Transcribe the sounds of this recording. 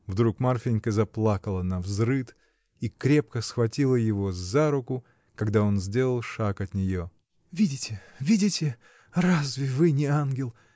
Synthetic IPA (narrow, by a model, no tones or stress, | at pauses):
vd̪ɾukmarfʲɪnʲkəzɐplˠakəlˠənɐvzɾɨt̪ | ikɾʲe̞p̚kəsxvɐtʲilˠəjɪvo̞zːaɾʊkʊ | kɐɡd̪ao̞nzʲdʲe̞lˠəlˠʂakɐt̪nʲɪjo̞ | vʲidʲɪtʲɪ | vʲidʲɪtʲɪ | razvʲɪvɨnʲɪanɡʲɪlˠ